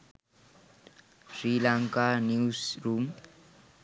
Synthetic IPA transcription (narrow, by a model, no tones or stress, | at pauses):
rilaŋkanisrum